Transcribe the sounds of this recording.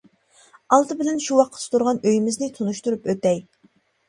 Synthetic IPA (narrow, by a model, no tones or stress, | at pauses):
ɑlˠt̪ʰɨbɪlɛnʃuwɑq̚ʰːə̥st̪ʰuɾʁɑnøjmɪznɪt̪ʰunuʃt̪uɾupøt̪ɛj